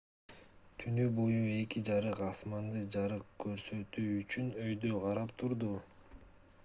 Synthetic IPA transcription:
t̪ʰynybo̞jue̞kid͡ʒɑɾɯqɑsmɑnd̪ɯd͡ʒɑɾɯqkʰø̞ɾsø̞t̪yːt͡ʃynø̞jd̪øqʰɑɾɑpt̪ʰuɾd̪u

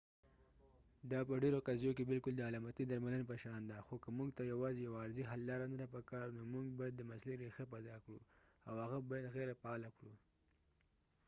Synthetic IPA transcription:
d̪ɑpəɖeɾoqazjokebɪlkʊld̪əalɑmat̪id̪aɾmalənpəʃɑnd̪axokəmuɡt̪ajawɑzejawaːɾziɦalːɑɾanad̪apəkɑɾnomuŋɡ̚bɑjad̪ːəmasleɾexep̬ajd̪ɑkɽṵawhaɣabajad̪ɣeɾapaːlakɽu

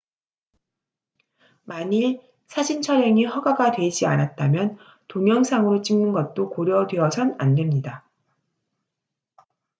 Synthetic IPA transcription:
maɲi | sʰad͡ʑint͡ɕʰʌɾɦe̞ŋiɦʌɡaɡadwe̞id͡ʑianat̚t͈amjʌn | toŋjʌŋsʰaŋɯɾot͡ɕ͈iŋnɯnɡʌt̚t͈okoɾjʌdweʌsʰʌna̰nde̞mɲida

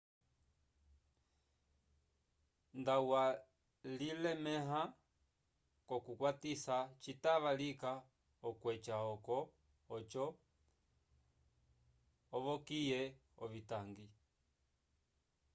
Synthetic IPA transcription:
ndawa | lilɛmɛɦa | kɔkukwatisat͡ʃitaʋalika | ɔkwɛt͡ʃaɔkɔː | t͡ʃɔ | ʋɔkijɛ | ɔβitaŋɡi

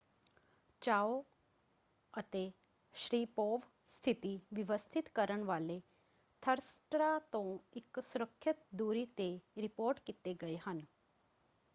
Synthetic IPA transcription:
t͡ɕao | ət̪e | ʃɾiːpoːʋ | st̪ʰit̪iʋiʋəst̪ʰit̪kəɾəɳʋaːle | t̪ʰəɾsʈɾat̪õiksuɾəkʰːjət̪d̪uːɾit̪eɾipoːɾʈkit̪eɡəeɦən

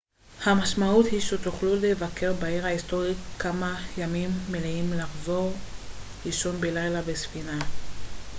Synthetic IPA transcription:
hamaʃmauthiʃet̪uχlulevakʰe̞ʁbaeʁaisto̞ʁikamajamimːeleimlaχzo̞ʁliʃonbelajlabesfina

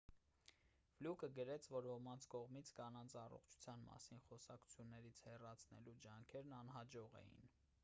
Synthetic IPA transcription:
vlukəɡəɾɛt͡sʰvɔɾhɔmɑnt͡sʰkɔʁmit͡sʰkɑnɑnt͡sʰɑrɔ̰χt͡ʃʰu̥t͡sʰjɑnmɑ̰sinχɔsɑkʰu̥t͡sʰjunːɛɾit͡sʰhɛrɑt͡sʰnɛ̰lud͡ʒɑŋkʰɛɾnɑnɦɑd͡ʒɔʁɛ̰jḭn

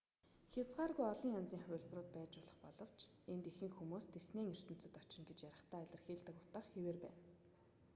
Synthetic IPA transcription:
xʲat͡sɢaːrɣujɔɮɞ̆ŋant͡siːŋχʊːɮp̆rʊːt̪̚pæːt͡ɕʊːɮə̆χpɔɮɞ̆w̥t͡ɕ | ent̪exɘ̆ŋxumuːst̪ʰesneːŋir̥t̪ɘ̆n̥t͡sɵ̆t̪ɔt͡ɕɪ̆ŋɡet͡ɕjaɾə̆χt̪æːɮʲɪ̆rxiːɮt̪ə̆kʊt̪ăχxeweːrpæ̰ːn

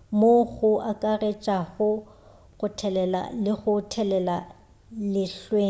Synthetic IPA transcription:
moɣʊʔakʼaret͡ʃʼaɣʊ | ɣʊtʰɛlɛla̰lɪɣʊtʰɛlɛla | lɪɬweː

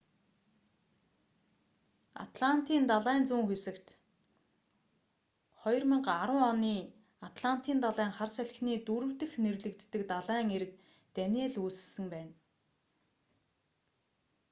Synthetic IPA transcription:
a̰t̪ɮan̥t̪ʰiːnt̪aɮæːnt͡suːŋxesɘ̆kt̪ | χɔjɞ̆rmə̆ɴɢaɾʊ̆ŋɔniː | at̪ɮan̥t̪ʰiːnt̪aɮæːŋχarsæɮxniːt̪uɾɘ̆w̥t̪ɘ̆xnerɮɘ̆kt̪ːɘ̆kt̪aɮæːŋeɾɘ̆k̚ | t̪ænʲieːɮuːsɘ̥̆sɘ̆ŋpæːn

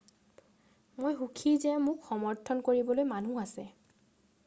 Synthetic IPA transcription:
mojɦukʰizɛmʊkxɔmɔɹtʰɔnkoɹibɔlojmanuasɛ

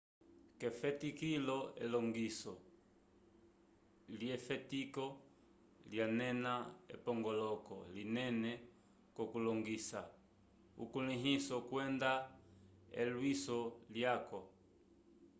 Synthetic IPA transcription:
kɛfɛtikilɔɛlɔŋɡisɔ | ljɛfɛtikɔ | ljanɛnaɛ̰pɔŋɡɔlɔkɔ̰linɛnɛ | kɔkulɔŋɡisa | ukuliɦisɔkwɛnda | ɛ̰lwisɔljakɔ

